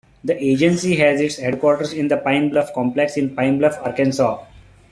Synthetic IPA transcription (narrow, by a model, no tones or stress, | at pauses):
d̪əʔeːd͡ʒə̃nsiɦɛzɪʈsheɖkɔːɾʈəɾsɪ̃nd̪əpãɪ̃mblʌfkɔ̃mpleksɪ̃npãɪ̃mbləfaɾkẽnsɔː